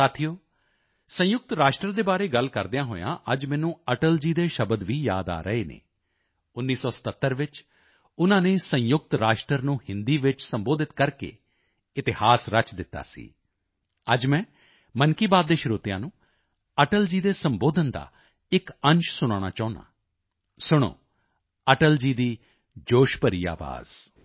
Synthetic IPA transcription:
saːt̪ʰijoː | sə̃jʊk̚t̪ɾaːʃʈɾəɾd̪eːbaːɾeːɡəlkəɾd̪ɪjãːɦo̰ːjã̰ːʔəd͡ʒmɛ̃ːnũːəʈəld͡ʒiːd̪eːʃəbəd̪ʋiːja̰ːd̪a̰ːɾəeːnḛː | ʊnːiːsɔːsə̥t̪ət̪ːəɾʋɪt͡ʃ | ʊnãːneːsə̃jʊk̚t̪ɾaːʃʈɾəɾnũːhɪnd̪iːʋɪt͡ʃsəmboːd̪ɪt̪kəɾkḛː | ɪt̪ɪhaːsɾət͡ʃd̪ɪt̪ːa̰ːsḭː | əd͡ʒmɛ̃ː | mənkiːbaːd̪̚d̪eːʃɾoːt̪ɪjãːnũː | əʈəld͡ʒiːd̪eːsəmboːd̪ənd̪a̰ː | ɪkənt͡ʃsʊɽ̃aːɽ̃aːt͡ʃɔːʊna̰ː | sʊɽ̃o̰ː | əʈəld͡ʒiːd̪iː | d͡ʒoːʃpəɾiːa̰ːʋa̰ːz̥

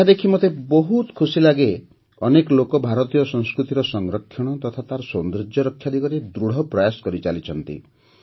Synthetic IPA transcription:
ad̪ekʰimot̪ebɔɦut̪kʰusilaɡe | ɔnekɔlokɔbʱaɾɔt̪ijɔsɔ̃ŋ̃skɾut̪iɾɔsɔŋɾɔkʰːjɔɽ̃ɔt̪ɔt̪ʰat̪aɾɔsond̪ɾid͡ʒɔɾɔkʰːjad̪ikɔɾed̪ɾuɽ̤ɔpɾɔjasɔ̥kɔɾit͡ʃalit͡ʃʰɔnt̪ḭ

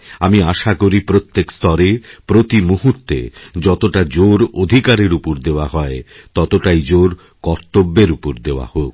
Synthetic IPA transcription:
amiaʃakoɾipɾot̪ːekst̪ɔɾepɾot̪imuɦut̪ːḛd͡ʑɔt̪oʈad͡ʑoɾod̪ʱikaɾeɾupoɾd̪eoaɦɔe | t̪ɔt̪oʈajd͡ʑoɾ | kɔɾt̪obːeɾupoɾd̪eoa̰hok̚

